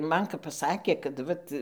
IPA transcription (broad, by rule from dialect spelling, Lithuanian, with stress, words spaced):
ˈmɐn kɐp pɐˈsɑːkʲeː kɐt ˈʋɐt